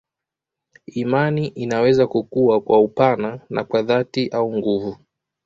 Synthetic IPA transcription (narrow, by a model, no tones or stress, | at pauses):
imaniʔinawɛzakukuwakwaupanana̰kwaðatiʔauŋɡuvu